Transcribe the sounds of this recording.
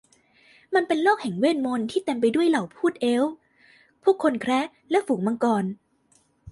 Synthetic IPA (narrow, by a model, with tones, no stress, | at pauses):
ma˧npe˧nlɔː˥˩k̚hɛ˨˩˦ŋweː˥˩nmo˧nt̪ʰiː˥˩t̪e˧mp̬a˧jdu˥˩əjla˨˩wpʰuː˥˩t̪̚ʔe˦˥w | pʰuː˥əkʰːo˧nkʰɾɛ˦˥ | lɛ˦˥fuː˩˦ŋ̚ma˧ŋkɔː˧n